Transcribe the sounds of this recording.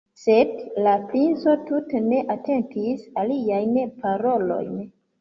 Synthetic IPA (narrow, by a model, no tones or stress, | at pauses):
se̞dlapɾinso̞tutene̞ʔate̞ntisaliajnpaɾo̞lo̞̰jn